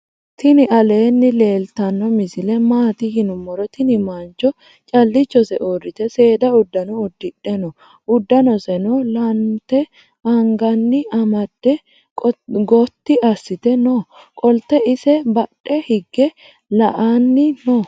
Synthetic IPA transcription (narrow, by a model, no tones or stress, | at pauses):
t̪ɪnɪʔɐle̞ːnːɪle̞ːlt̪ɐnːɔmɪsɪlɛmaːt̪ɪhɪnʊmːɔɾɔt̪ɪnɪmɐnt͡ʃːɔ | t͡ʃʼɐlːɪt͡ʃːɔsɛʔoːrːɪt̪ɛse̞ːd̪ɐʊd̪ːɐnɔːd̪ːɪᶑɛnɔ | ʊd̪ːɐnɔsɛnɔlɐnt̪ːɛ | ɐŋɡɐnːɪʔɐmɐd̪̥ːɛ | ɡɔt̪ːɪʔɐsːɪt̪ɛno | kʼɔlt̪ːɛɪsɛbɐɗːɛhɪɡːɛ | lɐʔanːɪnoː